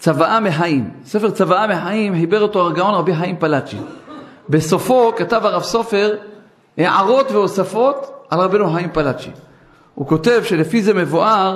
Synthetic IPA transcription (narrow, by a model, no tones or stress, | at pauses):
t͡savaʔameħaimse̞feʁt͡savaameħaimħibe̞ʁot̪o̞aʁɡao̞nʁabiħaimpalat͡ʃḭbe̞so̞fo̞katavaʁavso̞fe̞ʁ | heʕa̰ʁo̞tveosafo̞t̪ʕalʁabenuħaimpalat͡ʃḭ | huko̞te̞vʃe̞lefize̞me̞vuʔaʁ